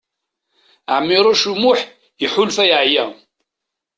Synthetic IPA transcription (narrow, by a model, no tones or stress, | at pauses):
əʕmːɪɾˤoʃumʊħ | jəħʊlfæjʕjæ